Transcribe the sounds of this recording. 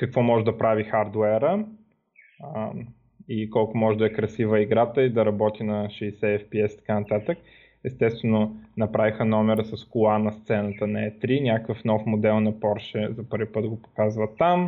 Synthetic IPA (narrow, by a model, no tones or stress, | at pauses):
kəkvɔmɔʒɛd̪ɐpɾavixaɾd̪wɛɾə | ikɔlˠkʊmɔʒɛd̪ɐɛkɾɐsivəiɡɾat̪əid̪ɐɾɐbɔt̪inɐʃɛːsɛɛfpiɛsi̥t̪ɐ̥kanɐt̪at̪ək̚ | ɛst̪ɛst̪vɛnonɐpɾavixənɔmɛɾəsɐskʊlˠanɐst̪sɛnət̪ənɐɛt̪ɾinʲakəkəfnɔfmod̪ɛlˠnɐpɔɾʃɛzɐpɤɾvipɤt̪ɡopo̥kazvət̪ːam